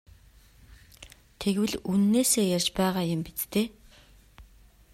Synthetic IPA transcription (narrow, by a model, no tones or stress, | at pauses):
t̪ʰeɣwɘ̆ɮunːeːseːjart͡ɕpæːʁaːjʊ̆mpit͡st̪eː